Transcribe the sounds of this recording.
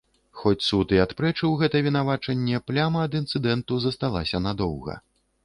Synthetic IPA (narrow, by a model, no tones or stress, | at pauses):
xɔt͡sʲsut̪ɨat̪pɾɛt͡ʂɨwɣɛt̪ɐvʲinavat͡ʂɐnʲːɛplʲamɐːd̪int̪sɨd̪ɛnt̪uzɐst̪alˠasʲɐnad̪ɔwɣɐ̰